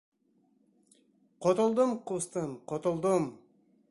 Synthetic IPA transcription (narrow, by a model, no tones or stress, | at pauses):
qʰot̪olˠd̪umqust̪ɯmqʰot̪olˠd̪um